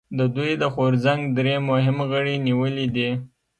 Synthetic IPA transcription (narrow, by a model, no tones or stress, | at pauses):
d̪əd̪ujd̪əxoɾzaŋɡd̪ɾemʊɦɪmɣəɽiniwəlid̪i